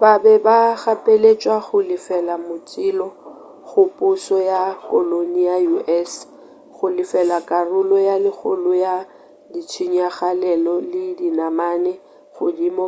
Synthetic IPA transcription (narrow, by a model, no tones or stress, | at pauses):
babɛbaɣapʼelet͡ʃʼwaɣʊlɪfɛlamʊtʼilɔ | ɣʊpʼʊsɔjakʼɔloniajuʔɛs | χʊlɪfɛlakʼarʊlɔjalɪχʊlʊja | dit͡ʃʰiɲaɣalɛlɔlɪdinamanɛ | ɣʊ̰dimɔ